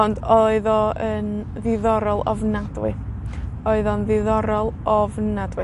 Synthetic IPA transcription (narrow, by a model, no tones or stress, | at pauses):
ɔndɔɨðɔən | ðɪðɔɾɔlˠɔ̰vnadwɪ | ɔɨðɔnðɪðɔɾɔlˠɔvnadwɨ